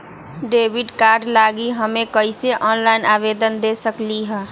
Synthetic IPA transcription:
ɖeːbiɖkaːɾɖlaːɡiɦəmẽkəɪseʔɔːnlaɪnaːbed̪ənd̪esəkliɦɛ̃

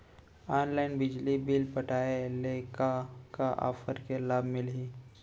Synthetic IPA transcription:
aːnlaɪnbɪd͡ʒlibilpəʈaelekakaʔa̰ːfəɾkelaːbmɪlɦi

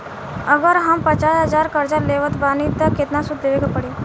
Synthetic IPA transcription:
əɡəɾɦəmpət͡ʃasɦəd͡ʒaɾkəɾd͡ʒaleʋət̪baːnit̪əkːet̪nasud̪ːeʋekapəɽe

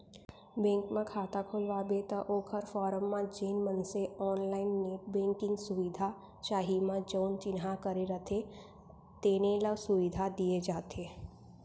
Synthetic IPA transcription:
bẽːŋkmãkʰaːt̪akʰoːlʋabet̪ɐʔoːkʰəɾfɔːɾəmːãd͡ʒeːnmənseɔːnlaːɪnːebẽːŋkɪ̃ŋɡsʊʋɪd̪ʱa | t͡ʃaːɦimãd͡ʒoːnt͡ʃɪnɦakəɾeɾət̪ʰe | t̪eːneləɡsʊʋɪd̪ʱad̪ied͡ʒaːt̪eː

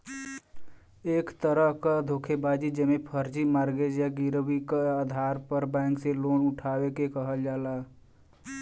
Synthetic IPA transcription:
eːkt̪əɾəɦkad̪ʱoːkʰebaːd͡ʒid͡ʒəmẽpʰəɾd͡ʒimaːɾɡed͡ʒjaɡɪɾwikaaːd̪ʱaːɾpəɾbɛ̃ːŋkseloːnʊʈʰaːwekekəɦəld͡ʒaːlaː

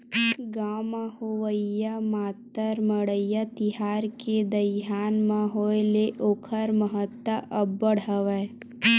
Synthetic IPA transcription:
ɡaːmahoʋəjamaːt̪əɾməɽəjat̪iɦaːɾked̪əɦaːnmãɦojleʔokʰəɾməɦət̪ːəʔəbːəɽəʋə

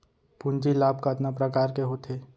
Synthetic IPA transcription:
pʊnd͡ʒilaːb̚kaːt̪napɾəkaːɾkeɦoːt̪ʰeː

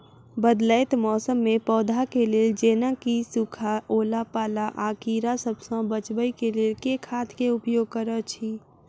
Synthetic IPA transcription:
bəd̪ləɪt̪mɔːsəmːẽpɔːd̪ʱakeleːld͡ʒeːnə̃kisukʰaʔoːlapaːlaʔaːkiːɾasəbsɔ̃bət͡ʃbəikeleːlkekʰaːt̪ʰkeʊpjoːɡ̚kəɾət͡ʃʰi

